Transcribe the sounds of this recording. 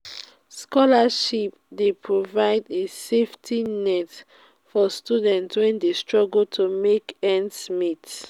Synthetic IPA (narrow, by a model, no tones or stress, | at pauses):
skɔlaʃip̚ | depʰɹovaɪdeseftʰinɛt | fɔstudɛ̃ntwɛ̃ndestɹɔɡltʰumekɛ̃nsmit